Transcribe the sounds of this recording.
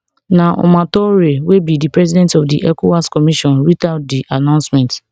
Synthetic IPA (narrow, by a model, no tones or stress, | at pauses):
nãʔɔ̰mãtɔɾewebidipɾɛzidɛ̃ntɔfdḭʔɛkowaskɔmiʃɔ̃nɾitaʊt̚diʔanãʊ̃nsmɛ̃nt